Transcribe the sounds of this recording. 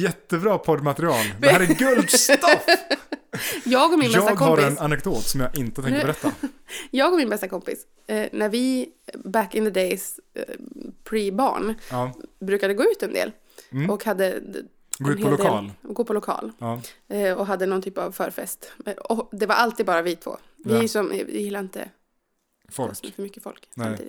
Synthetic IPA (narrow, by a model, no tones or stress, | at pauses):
jɛt̪ːəbɾɑːpʰɔd̪mat̪ɛɾɪɑːld̪ɛhæːɾɛɾɡɵld̪st̪f | jɑːɡɔmɪnbɛsɑːt̪ɡkɔhaɾɛnanɛkd̪oːt̪sɔmjɑɡɪnt̪ət̪ʰɛŋkɾbɛɾɛt̪ːajɑːɡɔɾmɪnbɛst̪akʰɔmpɪ̰s | næɾvɪbækɪnðəd̪ejs | pʰɾibɑ̰ːɳ | bɾʉːkad̪əɡoːʉ̟ːt̪ɛnd̪ḛːl | ɔkhad̪ːə | ɡɛnhelʊeːɑ̰ːlɡoːpʰɔlʊkʰɑ̰ːlː | ɔɦad̪ːənɔnt̪ʰyːpavfœːɾfɛst̪ɔd̪ɛvaɾʔalt̪id̪bɑːɾavɪt̪ʰv̥o̰ː | vɪsɔm̰jɪlːaɾɪnt̪ə̰ | fɔsmɛfœɾmʏkːəfɔ̰lksamt̪iːd̪ɪ